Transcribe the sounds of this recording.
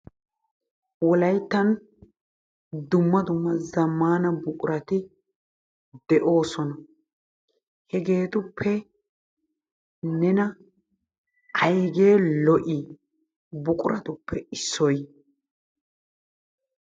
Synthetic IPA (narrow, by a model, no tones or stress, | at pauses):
wɔlɐjt̪ːɐn | d̪ʊmːɐd̪ʊmːɐzɐmːaːnɐbʊkʼʊɾɐt̪ɪ | d̪ɛʔo̞ːsɔnɐ | hɛɡe̞ːt̪ʊpʰːɛ | nɛnɐ | ʔɐjɡe̞ːlɔʔɪ | bʊkʼʊɾʔɐt̪ʊpːɛɪsːɔj